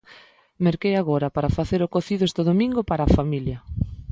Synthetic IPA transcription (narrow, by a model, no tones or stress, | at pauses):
meɾkejaɣoɾɐpaɾafaθeɾokoθiðʊest̪eðomĩŋɡopaɾaːfamiljɐ